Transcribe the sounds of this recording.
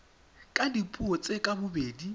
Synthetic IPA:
kʼadipʼuot͡sʼekʼabʊbeːdi

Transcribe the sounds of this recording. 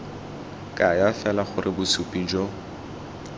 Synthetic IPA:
kʼajafɛlaχʊɾʔɪbʊsupʼid͡ʒɔ

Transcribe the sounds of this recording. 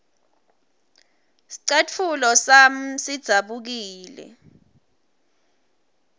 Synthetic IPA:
si̥ǀet͡fʰulɔsam̩sid̥z̥ʱaɓuk̬iːlɛ̰

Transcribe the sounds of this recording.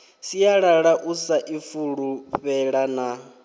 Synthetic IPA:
sijaɺaɺaʔusaʔifuɺuɸɛɺana

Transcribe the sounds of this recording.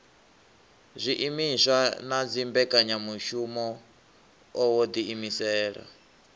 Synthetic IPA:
zʷiʔimiʃanad͡zimbɛkʼaɲamuʃumɔ | ɔwod̪iimisɛːɺa̰

